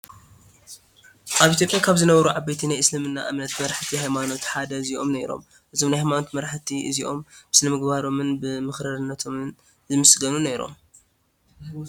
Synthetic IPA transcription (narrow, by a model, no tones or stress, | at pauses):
ʔaβʔit̪ʰjopʼjakʰaβzɨnɐβɐɾuʕabejt̪ʰinajʔɨslɐmɨnːa̰ʔɨmnɐt̪mɐɾħt̪ʰihajmano̞t̪ħad̪ɐziʔo̞̰mneɾo̰m | ʔɨzo̞mnajhajmano̞t̪mɐɾħt̪ʰiʔɨ̰ziʔo̞mb̥ɨ̥snɐmɨɡbaɾo̞mɨnbɨmɨxɾaɾɨnːɐt̪ʰo̞mɨn | zɨmɨsɡɐnuneɾo̞̰m